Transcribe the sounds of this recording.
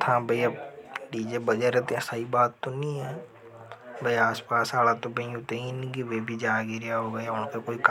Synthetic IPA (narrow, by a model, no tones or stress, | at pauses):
t̪ʰãːbʱəiɐbɖiːd͡ʒebəd͡ʒəɾɛt̪eɛ̃saibaːt̪ːonĩɦɛː | bəiaːspaːsaːɽat̪obɐ̃ĩut̪einkiʋebʱid͡ʒaːɡiɾjaɦoɡɐjaʊnkekoːik